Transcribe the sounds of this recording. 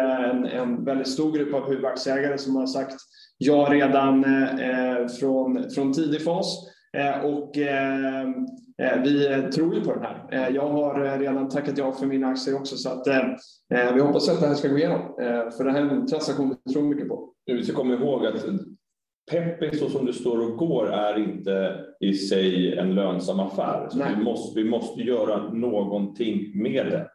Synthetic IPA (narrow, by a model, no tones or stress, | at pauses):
æɾɛnɛ̰nvɛld̪ɪt̪st̪uːɾɡɾɵpːavhʉ̟ːvaksɪɛːɡaɾəsɔmhaɾʂakt̪ | jɑːɡɾeːd̪an | fɾɔnfɾɔnt̪ʰiːd̪ɪfɑs | ʔɔkː | vɪt̪ʰɾuːɾjɵpʰɔd̪ɛnɦæ̰ːɾjɑːɡɦaɾːeːd̪ant̪ʰakːat̪jɑːɡfœɾmɪnaksɪəɔksɔsɔat̪ː | vɪhɔpːasjat̪̚d̪ɛɦæːʂkaɡoːɪjeːnɔmfœɖɛɦæːɾnt̪ʰɾansakɧuːnvt̪ʰɾuːmʏkːəpʰɔvɪskakʰɔmːaɾɪɦoːɡat̪ | pʰɛpːɪŋsɔsɔmd̪ɵst̪oːɾɔɡoːɾæɾɪnt̪əɪsɛjɛ̰nløːnsamːafæ̰ːɾsɔɔɛɪmɔstvɪmɔst̪əjœːɾanoːɡɔnt̪ʰɪŋːmeːd̪ɛ̰